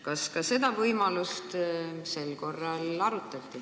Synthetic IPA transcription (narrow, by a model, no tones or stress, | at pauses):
kɑskɑse̞d̪ɑvɤjmɑlust̪se̞lko̞rːɑlɑɾut̪ːˑɑt̪ːˑi